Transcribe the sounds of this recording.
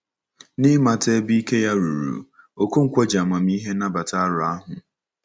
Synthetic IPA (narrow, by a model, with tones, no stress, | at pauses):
nɪ˦ma˨te˦bi˦ke˦ja˦ɾu˨ɾṵ˨ | o˨ko˦ŋ̩˦kʷɔ˦d͡ʒa˨ma˨mi˦ɦe˦na˦ba˨ta˦ɾʊ˨a˦ɦʊ˨